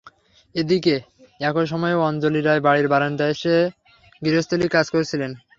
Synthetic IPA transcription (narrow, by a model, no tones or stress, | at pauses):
ed̪ike | ɛkoʃ̬ɔmɔeɔnd͡ʑoliɾaebaɽiɾbaɾand̪aeʃe | ɡiɾost̪olikad͡ʑkoɾet͡ɕʰilen